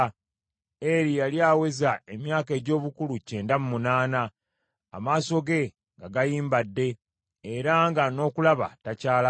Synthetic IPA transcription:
eɾijaljaːwe̞zaemjaːke̞ɟo̞ːβukuluce̞ːndamumunaːna̰ː | maːso̞ɡe̞ | ŋɡaɡajiːmbadːe̞ː | ɾaŋɡano̞ːkulaβa̰tacaːla

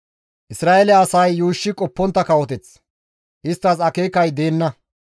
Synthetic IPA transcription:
ʔɪsɾaːʔɛlɛːsɐjːuːʃːɪkʼɔpːɔnt̪ːɐkɐwɔt̪ɛt͡s | ʔɪst̪ːɐsɐke̞ːkɐjd̪e̞ːnːɐ

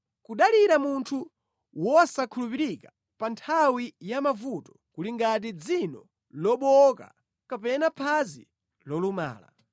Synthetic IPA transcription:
kuɗaliɾamuntʰu | wɔsakʰulupiɾikḁ | pantʰawijamavutɔ̥ | kuliŋɡat̬id͡zinɔ̰ | lɔɓɔka̰ | kapɛnapʰazi | lɔluma̰ːla̰

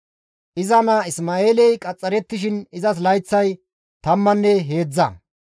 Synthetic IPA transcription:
ʔɪzɐnɐɪsmaːeːlɛjkʼɐt͡sʼːɐɾɛt̪ːɪʃ̬ɪnɪzɐs̬lɐjt͡sːɐj | t̪ɐmːɐnːɛɦe̞ːd͡zːɐ̰

